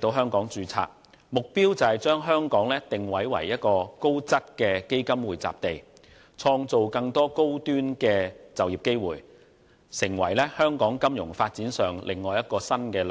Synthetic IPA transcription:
t̪o˧wɦœː˥ŋkɔː˨˥ŋt͡ʃyː˧t͡sʰa̰ː˧k̚ | mʊ˨k̚piː˥wt͡sɐ˨hɐ˨jt͡ʃœː˥ŋɦœː˥ŋkɔː˨˥ŋlɛː˥t̪ɪ˨ŋwɐ˨˥jwɐ̰˨˩jjɐ˥t̚kɔː˧ko˥wt͡sɐ˥t̚kɛː˧ke˥jkɐ˥mwuː˨˩jt͡sa̰ː˨p̚t̪e˨j | t͡sʰɔː˧ŋt͡so˨wkɐ˧ŋt̪ɔː˥ko˥wt̪yː˥nkɛː˧t͡sɐ˨wjiː˨˩p̚ke˥jwuː˨˩j | sɪ˨˩ŋwɐ̰˨˩jlɛ˥hœː˥ŋkɔː˨˥ŋkɐ˥mjʊ̰˨˩ŋfaː˧t̚t͡siː˨˥nsœː˨˩ŋlʔɪ˨˩ŋːɔː˨jɐ˥t̚kɔː˧sɐ˥nkɛː˧l

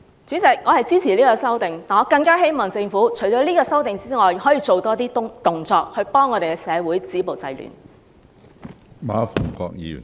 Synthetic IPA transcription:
t͡ʃyː˨˥t͡sɪ˨k̚ŋɔː˨˧hɐ˨jt͡siː˥t͡sʰiː˨˩liː˥kɔː˧sɐ˥wt̪ɪ˨ŋt̪aː˨˩ŋɔː˧kɐ˧ŋkaː˥ɦe˥jmɔː˨˩ŋt͡sɪ˧ŋfuː˨˥t͡ʃʰɵ˨˩jt͡ʃɔː˨˧˥liː˥kɔː˧sɐ˥wt̪ɪ˨ŋt͡siː˥ŋɔː˨jɦɔː˨˥jiː˧t͡so˨wt̪ɔː˥t̪iː˥t̪ʊ˨ŋt͡sɔː˧k̚hɵ˧ɥpɔː˥ŋːɔ˨˧ɾe˨jkɛ˧sɛː˨˧wuː˨˥jt͡siː˨˥po˨wt͡sɐ˧jly̰ː˨˩n | ma̰ː˨˧fʊ˨˩ŋkɔ̰ː˧k̚jḭː˨˩

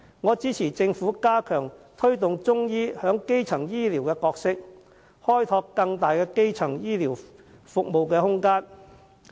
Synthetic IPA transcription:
ŋɔː˨˧t͡siː˨˥t͡sʰiː˨˩t͡sɪ˧ŋfuː˨˥kaː˥kʰœː˨˩ŋt̪ʰɵ˥ɥt̪ʊ˨ŋt͡sʊ˥ŋjiː˥hœː˨˥ŋke˥jt͡sʰɐ˨˩ŋjiː˥liː˨˩wkɛː˧kɔː˧k̚sɪ˥k̚ | hɔː˥jt̪ʰɔː˧kːɐ˧ŋt̪aː˨jkɛː˧ke˥jt͡sʰɐ˨˩ŋjiː˥liː˨˩w | fʊ˨k̚mo˨wkɛː˧hʊ˥ŋkaː˥n

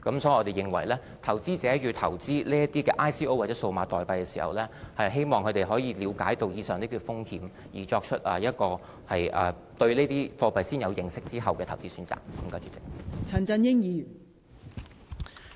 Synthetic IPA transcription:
kɐ˨˥msɔː˨˥ji˨ʔɔ˧t̪e˨˩jɪ˨˩ŋwɐ̰˨˩jlɛː˥ | t̪ʰɐ˨˩wt͡siː˥t͡sɛː˨˥jyː˨˧t̪ʰɐ˨˩wt͡siː˥liː˥jɐ˥t̪iː˥kɛː˧ʔaː˥jsiː˥o˥waː˨˩t͡sɛː˨˦˥so˧wmaː˨˧t̪ɔː˨jpɐ˧jkɛ˧siː˨˩hɐ̰˨wlɛː˥hɐ˨jɦe˥jmɔː˨ŋkʰɵ˨˧t̪e˨˩jɦɔː˨˥jiː˧liː˨˧wkaː˨˥jt̪o˨wjiː˨˧sœː˨ŋniː˥t̪i˧˥fʊ˥ŋhiː˨˥m | jiː˨˩t͡ʃɔː˧k̚t͡ʃʰɵ˥t̚ʔɐ̰ː˨jɐ˥t̚kɔː˧ | hɐ˨jʔɐː˨ | t̪ɵ˧ɥliː˥t̪iː˥fɔː˧pɐ˨jsiː˥njɐ˨˧wjɪ˨˩ŋsɪ˥k̚t͡siː˥ɦɐ˨wkɛː˧t̪ʰwt͡siː˥syː˨˥nt͡sa̰ː˨˩k̚kɐ˨˩˦mkaː˥t͡ʃy˨˩t͡sɪ˨˥k̚t͡sʰɐ˨˩nt͡sɐ˧njɪ˥ŋjiː˨

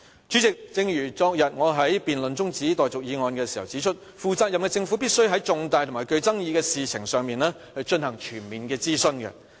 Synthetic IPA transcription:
t͡ʃyː˨˥t͡sɪ˨k̚t͡sɪ˧ŋjyː˨˩t͡sɔː˧k̚jɐ˨t̚ŋɔː˨˧ɦɐ˨˥jpiː˨nlɵ˨nt͡sʊ˥ŋt͡siː˨˥t̪ɔː˨˩jt͡sʊ˨k̚jiː˨˧ŋɔː˨˧nkɛː˧siː˨˩hɐ˨wt͡siː˨˥t͡ʃʰɵ˥t̚ | fuː˨˧t͡saː˧jɐ˨mkɛː˧t͡sɪ˧ŋfuː˨˥piː˥t̚sɵ˥ɥɦɐ˨˥jt͡sʊ˨˧ŋt̪aː˨˧jt̪ʰʊ˨˩aː˨˩kɵ˧ɥt͡sɐ˥ŋjiː˧kɛː˧siː˨t͡sʰɪ˨˩ŋsœː˨˧ŋmiː˨nlɛː˥ | hɐ˨jt͡ʃɵ˧nhɐ˨˩ŋt͡ʃʰyː˨˩nmiː˨nkɛː˧t͡siː˥sɵ˧nkɛ̰˧

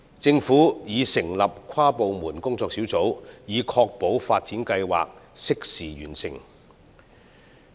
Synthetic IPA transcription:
t͡sɪ˧ŋfuː˨˥jiː˨˧sɪ˨˩ŋlɐ˨p̚kʰaː˥po˨wmuː˨˩nkʊ˥ŋt͡sɔː˧k̚siː˨˥wt͡so˨˥wjiː˨˧kʰɔː˧k̚po˨˥wfaː˧t̚t͡siː˨˥nkɐ˧jwa̰ː˨k̚sɪ˥k̚siː˨˩jyː˨˩nsɪ˨ŋ

